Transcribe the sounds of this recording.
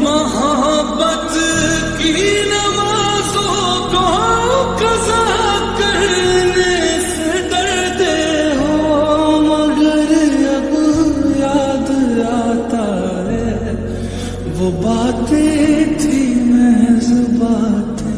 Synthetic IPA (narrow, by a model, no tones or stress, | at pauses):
mɐɦəɦəbːət̪ | kinɐʋaː | zo | kakɐza | kɐɾnese | d̪ɐɾ | d̪e | ɦomɐɡəɾɐbjaːd̪aːt̪a | ɦɛː | ʋobaːt̪et̪ʰimɛɦzʊbaːt̪e